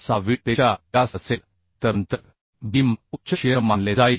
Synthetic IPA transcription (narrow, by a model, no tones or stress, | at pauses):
saʋit̪eaasəsel | t̪əɾənt̪əɾ | bimut͡ɕəɕejəmanled͡zai